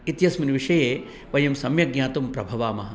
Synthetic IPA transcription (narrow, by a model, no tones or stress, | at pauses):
it̪jɐsmɐniʋiʂɐjeː | ʋɐjɐmsɐmjɐɡɲʲaːt̪umpɾɐbʱɐʋaːmɐɦɐ